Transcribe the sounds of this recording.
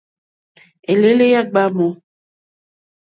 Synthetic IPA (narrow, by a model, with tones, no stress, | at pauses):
e˨le˦le˦ja˦ɡ͡ba˦mo˦